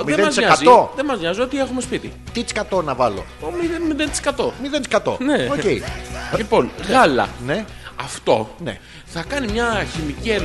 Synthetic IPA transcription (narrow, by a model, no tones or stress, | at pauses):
ðmieðemɐzsɲɐzioðemɐzɲɐzio̞t̪ie̞xume̞spit̪ḭ | t̪it͡skɐt̪o̞nɐvɐlo̞̰omiðemiðent͡si̥kɐt̪o̞miðent͡sskɐt̪o̰neoceilipo̞nɣɐlɐ̰ne | ɐft̪o̞nḛ | θɐkɐnimɲɐçimicien